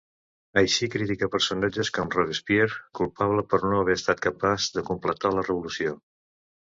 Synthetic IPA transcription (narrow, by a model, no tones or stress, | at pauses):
əjʃikɾit̪ikəpəɾsunad͡ʒəskɔmrɔðespieɾkulˠpaβləpəɾnoəβɛəst̪at̪̚kəpazðəkumplət̪alərəβulusio